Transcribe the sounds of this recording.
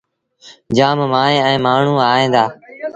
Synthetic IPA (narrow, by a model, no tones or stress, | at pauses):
d͡ʒaːmmaːnẽːɛ̃ːmaːɳ̤ũːaːɦẽːd̪aː